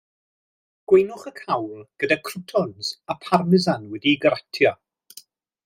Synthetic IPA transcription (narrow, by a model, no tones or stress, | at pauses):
ɡ̥wejnʊχəkʰawlˠɡ̥ədakʰrʊtʰɔnzapʰarmɪzanwɛdiɡəɾatʰjɔ